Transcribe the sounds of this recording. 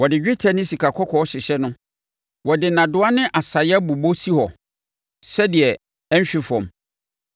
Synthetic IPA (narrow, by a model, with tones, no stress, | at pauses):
wɔ˨dɪ˨d͡ʑᶣɪ˦tʰɛ˨nɪ̃˦si˨kʰa˨kʰɔ˦kʰɔ˨˦ɔ˦ɕɪ˨ɕɛ˦nʊ̃˦ | wɔ˨dɪ˨nã˨dʊ˨˦a˦nɪ̃˦ʔa˨sa˨ja˦bu˨bo˦si˦hɔ˨ | sɛ˦dɪ˨ɛ˨ | ɛ̃˦ɲ˦ɕᶣi˦fɔ̰̃˨m